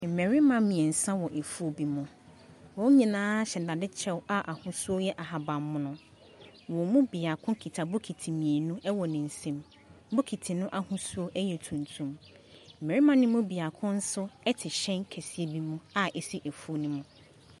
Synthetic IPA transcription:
m̩˨me˨ɾi˦mã˨˦mĩ˨ɛ˨n̩˨sã˦wɔ˨ʔe˨fu˦o˨bi˨mʊ̃˨ | wɔ̃˦ɲĩ˨nãː˦ɕɛ˨da˨dɪ˦t͡ɕʰɛ˦wa˦ʔa˨hʊ̃˦su˦o˦jɛ˦ʔa˨ɦa˨bã˨mːʊ̃˦nʊ̃˦ | wɔ̃˨mũ˦bi˨a˨kʰʊ̃˦kʰi˨tʰa˨bʊ˦kʰi˨tʰi˨mĩ˨e˨nũ˦ʔɛ˦wɔ˨nɪ̃˨n̩˨sɛ̃˦m | bʊ˦kʰi˨tʰi˨nʊ̃˦ʔa˨hʊ̃˦su˦o˦ʔɛ˦jɛ˨tʰũ˨ntʰũ˨m | m̩˨me˨ɾi˦mã˦nʊ̃˦mʊ̃˦bi˨a˨kʰʊ̃˦n̩˦sʊ˦ɛ˦tʰɪ˨ɕɛ̃˦ŋ˦kʰɛ˨si˦e˦bi˦mũ˦a˦ʔɛ˨si˦ʔe˨fu˦o˦nʊ̃˦mʊ̃˦

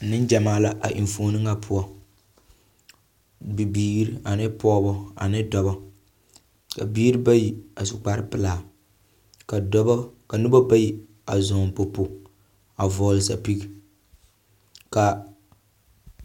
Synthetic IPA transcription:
nɨ˦nd͡ʒa˨maː˦la˦ʔa̰˨ʔi˨ɱ˨foː˨nɨ˦ŋa˦pʰʊ˦ɔ˦ | bi˨biː˦ɾi˦a˨nɪ˦pɔː˦bɔ˦a̰˨nɪ˦dɔ˨bɔ˦ | ka̰˨biː˦ɾi˦ba˦ji˦a˨sʊ˨k͡pa˨ɾɪ˦pɨ˨laː˨ | ka˨dbɔ˦ka˨nɨ˦bɔ˦ba˦ji˦ | a˨zɔː˨m˨po˨pu˨ | a˨vɔ˨lsa˨pi˦ɡi˦ | ka˨

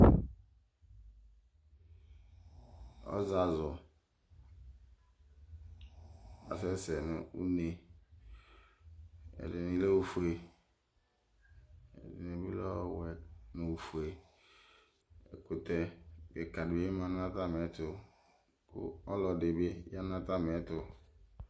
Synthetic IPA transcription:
ɔ̰˦za˨zɔ˨ | a̰˨sɛ˦sɛ˨nʊ˨ṵ˦ne˨ | ɛ̰˨dɪ˨ni˨le˦wu˨fu˨e˨ | ɛ̰˨dɪ˨ne˨bi˦lɔ˦wɛ˨nõ˨wu˨fu˨e˨ | ɛ̰˨kʊ˨tɛ˨be˨ka˨dɪ˨be˦mã˨n˦ã˦ta˦m˨ɛ˨˦tʊ˨ | kʊ̰˦ɔ˦lɔ˨dɪ˨bɪ˦ja˦nã˦ta˦m˨ɛ˦tʊ˨

